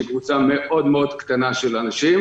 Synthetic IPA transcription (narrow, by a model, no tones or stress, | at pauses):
ekvut͡same̞ʔo̞d̪meo̞d̪kt̪anaʃelanaʃim